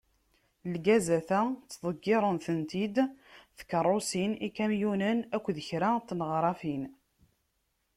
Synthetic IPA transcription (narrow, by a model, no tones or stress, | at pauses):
lɡæzæθæt͡sːðˤəɡːɪɾˤənθənt̪id̪θə̥kərˤːosinikæmjunənækʷːðəçɾat̪ːnəʁɾˤɑfin